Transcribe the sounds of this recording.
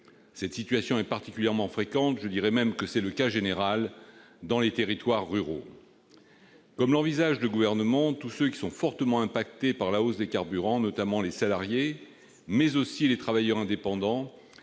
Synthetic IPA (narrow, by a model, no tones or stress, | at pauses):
sɛt̪sit̪ɥasjɔ̃ɛpaʁt̪ikʲyljɛʁmɑ̃fχekɑ̃t̪ʒəd̪iʁɛmɛmkəsɛləkaʒeneʁal | d̪ɑ̃let̪eʁit̪waʁːyʁo̰ | kɔmlɑ̃vizaʒd̪əɡuvɛʁnəmɑ̃t̪usøkʲi̥sɔ̃fɔʁt̪əmɑ̃ɛ̃pakt̪epaʁlaosd̪ekaʁbyʁɑ̃nɔt̪amɑ̃lesalaʁje | mɛzosilet̪χavajœʁɛ̃d̪epɑ̃d̪ɑ̃